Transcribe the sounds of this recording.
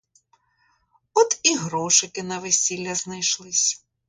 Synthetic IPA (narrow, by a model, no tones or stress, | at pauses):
ɔt̪iɦɾɔʃɪkɪnɐʋesʲilʲːɐznɐjʃlˠɪsʲ